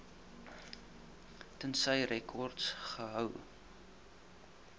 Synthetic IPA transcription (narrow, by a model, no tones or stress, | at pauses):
tənsəjrɛkʰɔrtsχəɦœw